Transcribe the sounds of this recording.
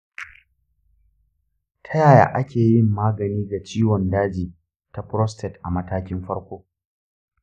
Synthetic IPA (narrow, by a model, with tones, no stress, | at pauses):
tʰɐ˦jaː˨ja̰ː˨ʔa˦kʲeː˨jɪ˦˨mːaː˦ɡɐ˨niː˦ɡa˨t͡ʃiː˦wɔ˨ndaː˦d͡ʒiː˨ | ta˦pɾɔ˦stʰɛ˨tʔa˨mɐ˦taː˦kʲɪ˦mɸɐ˦ɽkʷoː˦